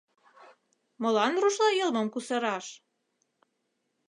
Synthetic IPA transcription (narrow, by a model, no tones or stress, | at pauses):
mɤ̆lɑnruʃlɑjɤlməmkusɤ̆ɾɑʃ